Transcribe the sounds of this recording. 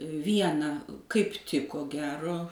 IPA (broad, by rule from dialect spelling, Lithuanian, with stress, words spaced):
ˈʋʲiɛnɐ kɐɪp ˈtʲɪk koː ˈɡʲæːroː